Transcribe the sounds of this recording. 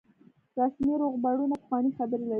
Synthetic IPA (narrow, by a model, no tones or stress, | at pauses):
ɾasmiɾoɣbaɽunapəxwɑnixabəɾela